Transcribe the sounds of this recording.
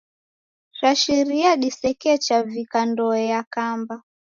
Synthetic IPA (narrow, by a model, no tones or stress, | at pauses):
ʃaʃiɾiaɗisɛkɛt͡ʃavikandɔɛjakamba